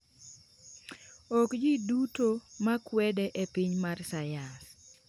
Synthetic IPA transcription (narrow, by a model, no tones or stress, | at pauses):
ɔkd͡ʒidutomakwɛdɛʔepiɲmarsajas